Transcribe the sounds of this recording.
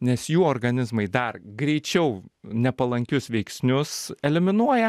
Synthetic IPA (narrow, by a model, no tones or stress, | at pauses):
nʲɛsjuːoːɾɡɐnʲɪzmɐɪd̪ɐrɡɾʲɛɪt͡ʃʲɛʊnʲɛpɐlˠɐŋʲkʲʊsʋʲɛɪksʲnʲʊsɛlʲɪmʲɪnuɔjɛ